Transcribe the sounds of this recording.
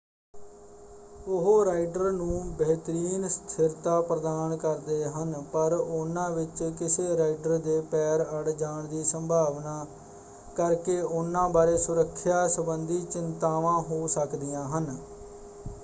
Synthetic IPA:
ʊɦoːɾaːɪɖəɾnũːbəɦt̪əɾiːnst̪ʰɪɾt̪aːpɾəd̪aːnkəɾd̪eːɦənpəɾʊnːãːʋɪt͡ʃkɪseːɾaːɪɖəɾd̪eːpɛːɾəɽd͡ʒaːɳd̪iːsəmbʱaːʋnaː | kəɾkeːʊnːãːbaːɾeːsʊɾəkʰːjaːsəbənd̪iːt͡ʃɪnt̪aːʋãːɦoːsəkd̪ɪjãːɦən

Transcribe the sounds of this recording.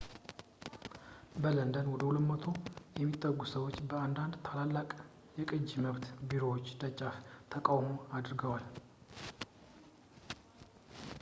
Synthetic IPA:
bələnd̪ənwɔd̪əhulət̪mət̪ʰo̞jɛmːit̪ʼːəɡusəwot͡ʃːbəand̪and̪t̪ʰalalːakʼ | jɛkʼɨd͡ʒiməβt̪biɾo̞wot͡ʃːd̪ət͡ʃʼːaft̪ʰəkʼawmoad̪ɨɾɡəwal

